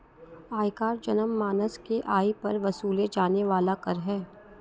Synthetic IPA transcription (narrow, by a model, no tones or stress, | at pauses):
aːjkaːɾd͡ʒɐnəmːaːnəskeʔaːipɐɾʋɐsuːled͡ʒaːneʋaːlakɐɾɦɛː